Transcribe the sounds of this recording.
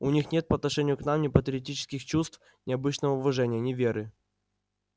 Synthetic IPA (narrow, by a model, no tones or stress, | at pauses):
ʊnʲixnʲe̞t̪̚pəɐt̪nɐʂɛnʲɪjʊknamnʲɪpət̪ʲɾʲɪɐtʲit͡ɕɪ̥skʲɪxt͡ɕust̪f | nʲɪɐbɨt͡ɕnəvəʊvɐʐɛnʲɪjənʲɪvʲeɾɨ